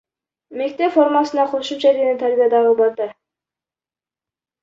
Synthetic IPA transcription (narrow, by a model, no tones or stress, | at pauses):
me̞k̚t̪epfo̞ɾmɑsɯnɑqʰoʃumt͡ʃʰaeɾɡʲenint̪ʰaɾbʲijad̪ɑʁɯbɑɾd̪ɑ